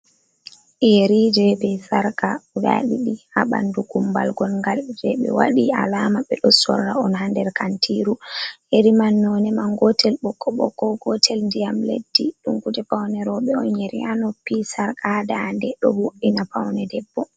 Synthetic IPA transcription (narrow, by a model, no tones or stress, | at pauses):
jeɾid͡ʒɛbɛsaɾkaɡa̰ɗiɗihaɓa̰nduɡumba̰lɡɔlŋɡald͡ʒɛɓɛ̰waɗia̰lamaɓɛɗɔsɔ̰ɾːaɔnhandɛɾkantʰiɾuheɾimanːɔnɛmaŋɡɔtʰɛlɓɔkʰːɔɓɔkːɔɡɔtʰɛlndijamlḛdːiɗumkutɛpawnɛɾɔɓɛɔnjeɾḭjanɔpisaɾkʰadandɛɗɔ̰buʔinapawnɛdɛbːɔ